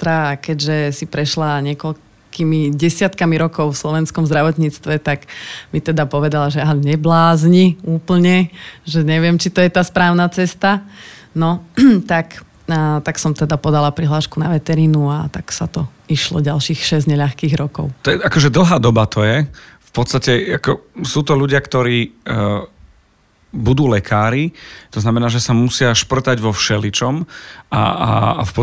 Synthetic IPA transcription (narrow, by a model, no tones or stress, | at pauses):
t̪ɾakɛɟʒɛsipɾɛʃlaɲɪɛkɔl | kimiɟɛsɪat̪kamiɾɔkɔʊfslɔʋɛnskɔmzd̪ɾaʋɔt̪ɲiːt͡st̪ʋɛt̪aɡmit̪ɛd̪apɔʋɛd̪alaʒɛaɲɛblaːzɲiuːpl̩ɲɛʒɛɲɛʋɪɛmt͡ʃit̪ɔjɛt̪aːspɾaːʊnat͡sɛst̪a | nɔt̪ak | t̪aksɔmt̪ɛd̪apɔd̪alapɾiɦlaːʃkunaʋɛt̪ɛɾiːnuat̪aksat̪ɔ | iʃlɔ̰ɟalʃiːxʃɛzɲɛʎaxkiːɣɾɔkɔ̰ʊt̪ɔɛʔakɔʒɛd̪l̩ɦaːd̪ɔbat̪ɔjɛfpɔt̪st̪acɛakɔsuːt̪ɔʎuɟɪakt̪ɔɾiː | bud̪uːlɛkʰaːɾit̪ɔznamɛnaːʒɛsamusɪaʃpr̩t̪aɟʋɔfʃɛlit͡ʃɔma̰fpɔ